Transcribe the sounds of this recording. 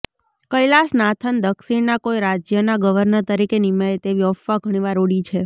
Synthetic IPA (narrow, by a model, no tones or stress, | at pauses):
kəjlasnat̪ʰənd̪əkʃiɳnakojɾad͡ʒjənaɡəʋəɾnəɾt̪əɾikenimaet̪eʋiɔfːaɡʱəɽ̃iʋaɾoɽit͡ʃʰe